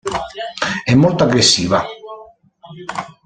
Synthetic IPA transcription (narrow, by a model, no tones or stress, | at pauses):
ɛmːolt̪oaɡɾesːiːva